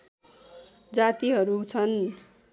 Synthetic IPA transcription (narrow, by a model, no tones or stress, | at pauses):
d͡zat̪iɦʌɾut͡sʰʌn